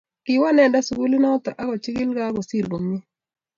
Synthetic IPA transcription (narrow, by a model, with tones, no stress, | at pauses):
kɪ˨wa˦nɛ˨da˦su˨ɡu˦li˦na˦ɔ˦t̪a˨ʔa˦ɡɔ˨t͡ʃi˦kɪ˦lɡa˦ɡɔ˨si˦˨lbo˨mi˦